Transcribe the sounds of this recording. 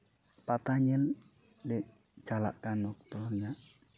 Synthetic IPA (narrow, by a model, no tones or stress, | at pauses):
pat̪aɲən | deʔ | d͡ʒ̥ala̰ʔkanːɔk̚t̪ɔrɲa